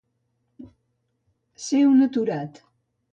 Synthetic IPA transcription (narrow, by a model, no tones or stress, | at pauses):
sewnət̪uɾat̪